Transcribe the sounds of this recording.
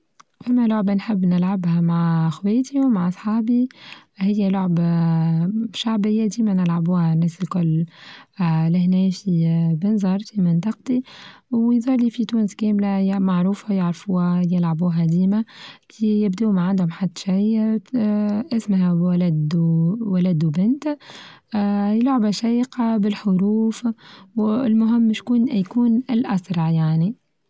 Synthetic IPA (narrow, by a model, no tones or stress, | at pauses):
fæmːælʊʕbanħɪbːnɪlʕabhæmaʕxweːt̪iwmaʕʔɑsˤħɑːbihɪjːælʊʕb | ʃaʕbɪjːad̪iːmænɪlʕabuːhanːɛːsɪlkʊlː | lɪɦnɛːfibɪnzˤɑɾˤfimɪnt̪ˤɑq̚t̪iwjzˤɑːɾliːfit̪uːnskæːmlajmaʕɾuːfajaʕɾfuːhajɪlʕabuːɦæd̪iːmakijɪbd̪uːmaʕand̪hʊmħad̪ːʃij | ʔɪsmɦæwælæd̪wælæd̪ubɪnt̪ː | jɪlʕɪbʔæʃæjqɑbɪlħʊɾuːfwɪlmʊɦɪmːɪʃkuːnjkuːnɪlʔasɾˤɑʕjaʕni